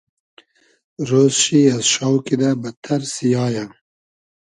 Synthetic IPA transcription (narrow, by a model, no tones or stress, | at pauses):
ɾoːzʃiazʃɑwkid̪abət̪ʰaɾsijɑːja